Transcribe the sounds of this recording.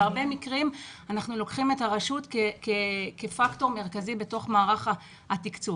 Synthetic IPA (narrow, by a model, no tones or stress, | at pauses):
aʁbe̞mikʁimanaχnulo̞kχimetaʁeʃutkekekefakto̞ʁme̞ʁkazibe̞to̞χmaːʁaχa | hatikt͡su